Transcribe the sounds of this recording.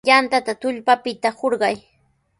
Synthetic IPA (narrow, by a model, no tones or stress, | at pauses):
ʎant̪at̪at̪ʊʎpapɪt̪ahoɾɢɑj